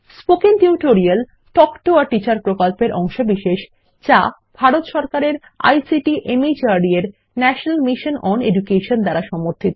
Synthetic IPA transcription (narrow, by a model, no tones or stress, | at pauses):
spokint̪iuʈoɾial | ʈɔkʈoaʈit͡ɕaɾpɾokolpeɾʔɔŋʃobiʃeʃ | t͡ɕa | bʱaɾot̪ʃɔɾkaɾeɾ | a̰jsiʈiʔemid͡ʑaɾɖieɾ | nɛʃonalmiʃonɔned͡ʑukeʃond̪ɛɾaʃɔmoɾt̪ʰit̪o